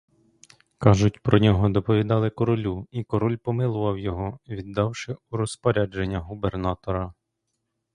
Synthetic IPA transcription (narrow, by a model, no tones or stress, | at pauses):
kɑʒʊtʲpɾɔnʲɔɦɔd̪ɔpɔʋʲid̪ɑlˠɪkɔɾɔlʲuikɔɾɔlʲpɔmɪlˠʊʋɐwjɔɦɔʋʲid̪ːɑwʃɪuɾɔspɔɾʲad͡ʒenʲːɐɦubernɑt̪ɔɾɐ